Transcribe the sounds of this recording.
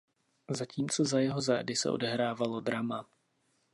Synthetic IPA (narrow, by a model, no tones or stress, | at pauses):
zaciːmt͡sozajɛɦo̞zaːdɪsɛ̰ʔo̞̰dɛɦɾaːvalo̞dɾama